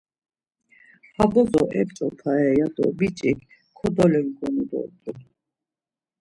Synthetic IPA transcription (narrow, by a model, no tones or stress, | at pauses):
habɔzɔʔɛpt͡sʼɔp̪ʰaɛjad̪ɔ̰bit͡ʃʼik | kʰɔd̪ɔlɛŋɡɔnɔd̪ɔ̰d̪u